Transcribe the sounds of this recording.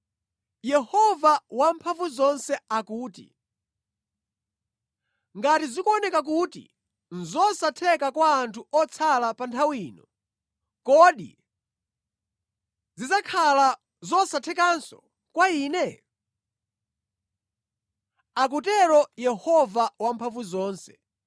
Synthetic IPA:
jɛhɔvawampʰaɱvuzɔnsɛakuːtḭ | ŋɡatizikuɔnɛkak̬utḭ | n̩zɔsatʰɛkakwaːntʰuɔt͡sʰalapantʰawiːnɔ | kɔɗḭ | zizakʰala | zɔsatʰɛkansɔ̰ | kwaiːnɛ | ak̬utɛɾɔjɛhɔvawampʰaɱvuzɔːnsɛ

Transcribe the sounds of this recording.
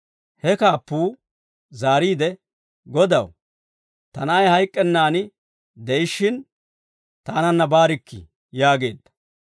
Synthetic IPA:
hɛkaːpːuː | zaːɾiːd̪ɛ | ɡɔd̪ɐ̰w | t̪ɐnajhɐjkʼːɛnːaːnɪ | d̪ɛjɪʃːɪn | t̪aːnɐnːɐbaːɾɪkːɪ̰ | jaːɡe̞̰ːd̪ːɐ̥

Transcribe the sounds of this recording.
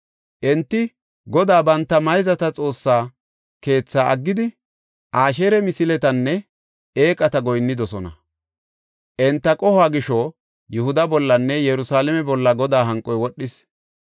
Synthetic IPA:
ʔɛnt̪ːɪ | ɡɔd̪aːbɐnt̪ːɐmɐjzɐt̪ɐt͡sʼo̞ːsːaː | ke̞ːt͡sːaːʔɐɡːɪd̪ɪ | ʔaːʃeɾɛmɪsɪlɛt̪ɐnːɛ | eːkʼɐt̪ɐɡɔjnːɪd̪ɔsɔnɐ̰ | ʔɛnt̪ːɐkʼɔhaːɡɪʃɔ | jʊhʊd̪ɐbɔlːɐnːɛjɛɾʊsaːlɛmɛbɔlːɐɡɔd̪aːɦɐŋkʼːɔjwɔɗːɪs

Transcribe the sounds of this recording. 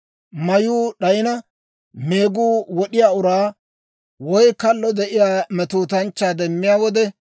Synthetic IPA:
mɐjuːɗɐjɪnɐ | me̞ːɡuːwɔɗɪjaːʊɾaː | wɔjkɐlːɔd̪ɛʔɪjaːmɛt̪uːt̪ɐnt͡ʃːaːd̪ɛmːɪjaːwɔd̪ɛ

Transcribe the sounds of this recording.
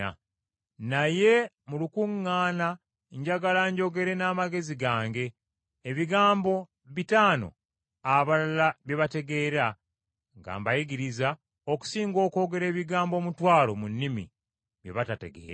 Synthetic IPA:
a | naje̞ | mulukuŋːaːna | ɲɟaɡalaɲɟo̞ɡe̞ɾe̞naːmaɡe̞ziɡaːŋɡe̞ː | βiɡaːmbo̞ | βitaːno̞̰ | aβalalaβje̞βate̞ɡe̞ːɾa | ŋɡa̰ːmbajiɡiɾiza | oku̥siːŋɡo̞ːko̞ːɡe̞ɾe̞ːβiɡaːmbo̞ːmutwaːlo̞munːimḭ | βjḛβatate̞̰ɡḛːɾa

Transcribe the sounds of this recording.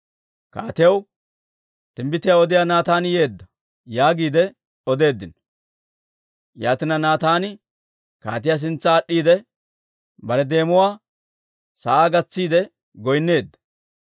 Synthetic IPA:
ka̰ːt̪ɪjɐw | t̪ɪmbɪt̪ɪjaːɔd̪ɪjaːnaːt̪aːnje̞ːd̪ːɐ | jaːɡiːd̪ɛ | ɔd̪e̞ːd̪ːɪn | jaːt̪ɪnɐnaːt̪aːnɪ | ka̰ːt̪ɪjaːs̬ɪnt͡sːɐːɗːiːd̪ɛ | bɐɾɛd̪e̞ːmʊwaː | sɐʔaːɡɐt͡sːiːd̪ɛ | ɡɔjnːe̞ːd̪ːɐ̥

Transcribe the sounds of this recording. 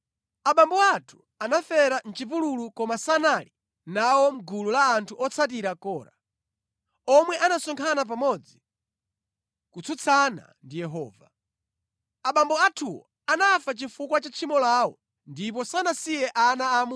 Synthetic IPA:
aɓambɔatʰu̥ | anafɛɾan̩t͡ʃip̬ululukɔmasanali | nawɔm̩ɡululaːntʰuʔɔt͡sʰat̬iɾakɔːɾa | ɔmwɛʔanasɔŋkʰanap̬amɔd͡zi | kut͡sʰut͡sʰana̰ndijɛɦɔ̰ːva̰ | aɓambɔatʰuwɔ̰ | anafat͡ʃifukwat͡ʃat͡ʃʰimɔlaːwɔ | ndip̬ɔsanasijɛʔanaːmu

